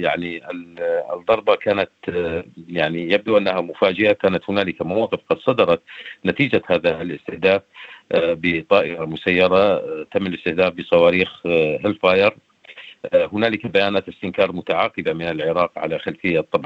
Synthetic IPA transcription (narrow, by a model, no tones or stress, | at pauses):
jaʕniʔɪ̰ðˤːɑɾˤbɑkaːnat̪ | jaʕnijab̚d̪uʔanːaɦamʊfaːd͡ʒɪhakaːnat̪hʊnaːlɪkamawɑːqɪfqɑd̪sˤɑd̪ɑɾˤɑt̪nat̪iːd͡ʒahaːðalɪst̪ɪhd̪aːf | bɪt̪ˤɑːʔɪɾɑmʊsajːɑɾˤɑt̪amːɪlɪst̪ɪhd̪aːfbɨsˤɑwɑːɾiːxhɪlfaːjɑɾˤ | hʊnaːlɪkabajaːnaːt̪ɪst̪ɪnkɑːɾˤmʊt̪aʕaːqɨbamɪnɪlʕɪɾɑːqʕa̰laxalfɪjːat̪ˤːɑbʕ